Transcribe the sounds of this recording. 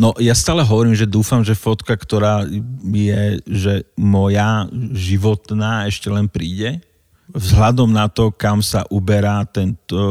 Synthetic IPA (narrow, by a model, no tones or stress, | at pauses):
nɔjast̪aːlɛɦɔʋɔɾiːmʒɛd̪uːfamʒɛfɔt̪kakt̪ɔɾaːjɛʒɛmɔjaʒiʋɔt̪naːɛʃcɛlɛnpɾiːɟɛ | vzɦlad̪ɔmnat̪ɔkamsa̰ʔubɛɾaːt̪ɛnt̪ɔ